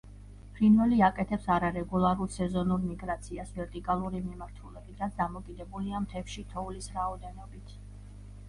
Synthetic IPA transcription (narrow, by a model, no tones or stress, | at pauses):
pʰɾinvɛliakʼɛt̪ʰɛpsaɾaɾɛɡulˠaɾulˠsɛzɔnuɾmiɡɾat̪sʰiasvɛɾt̪ʼikʼalˠuɾimimaɾt̪ʰulɛbit̪ʰɾat̪sʰd̪amɔkʼid̪ɛbuliamt̪ʰɛfʃit̪ʰɔulisɾaɔd̪ɛnɔbit̪ʰ